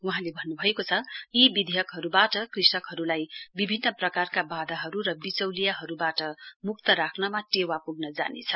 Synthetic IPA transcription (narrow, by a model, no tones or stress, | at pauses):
wuɦãlebʱʌnːubʱʌekot͡sʰʌjibid̪ʱejʌkɦʌɾubaʈʌkrisʈʌkɦʌɾulajbibʱinːʌprʌkarkabad̪ʱaɦʌɾuɾʌbit͡sʌwlijaɦʌɾubaʈʌmuk̚t̪ʌɾakʰnʌmaʈewapuɡnʌd͡za̰nḛt͡sʰʌ̥